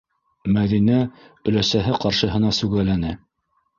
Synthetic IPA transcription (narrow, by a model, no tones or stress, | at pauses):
mæðinæ | ɵ̆læsæɦɘqɑɾʃɤ̆ɦɤ̆nɑsʉɣælænɘ